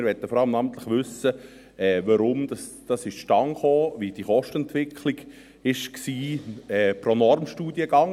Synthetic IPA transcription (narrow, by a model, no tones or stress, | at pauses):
ɪɾʋɛtəfɔɾɑləmnɑːmən̩t̪lɪχʋʏsə | ɛːʋɑɾʊmd̥̪ɑsd̥ɑsɪʃʃtɑŋχoːʋid̥iχɔʃtəɛnt̪ʋɪkʰliɡ | ɪʃksiːɛːpɾonɔɾmʃtuːdiəɡɑŋ